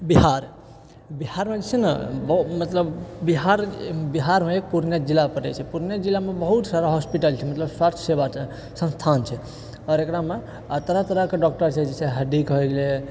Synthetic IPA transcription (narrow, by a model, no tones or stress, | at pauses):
biɦaɾ | bihaɾmed͡ʒɛsenəbmət̪ləbbiɦaɾbiɦaɾmeek̚puɾnjad͡ʒilːapəʈɛ̰t͡ʃʰɛpuɾnjad͡ʒilːamebəɦut̪saɾaɦɔspiʈəlt͡ʃʰɛmət̪ləbsatʰsebat͡ʃʰɛ | sə̃nst̪ʰant͡ʃʰɛ | ɔɾekɾame | ət̪əɾat̪əɾəkeɖɔk̚ʈəɾt͡ʃʰɛd͡ʒɛseɦəɖ̪ikɦoɡelɛ